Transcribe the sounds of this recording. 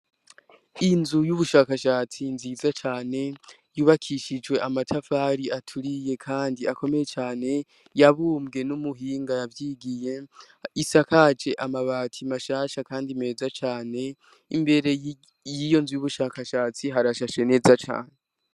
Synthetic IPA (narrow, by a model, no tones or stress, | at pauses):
inzujuβuʃaːkaʃaːt͡sinziːzat͡ʃaːne̞ | juːβakʰiːʃid͡ʒwe̞ʔamatʰafaːɾiʔatʰuɾije̞kʰaːndiako̞me̞je̞t͡ʃaːne̞ | jaβuːmbɡe̞numuɦiːŋɡajavjiːɡije̞ | isakad͡ʒe̞ʔamaβaːtʰimaʃaʃakaːndime̞ːzat͡ʃaːne̞ | imbe̞ɾe̞ | jijo̞nzujuβuʃaːkaʃaːt͡siɦaɾaʃaʃene̞ːzat͡ʃa̰ːne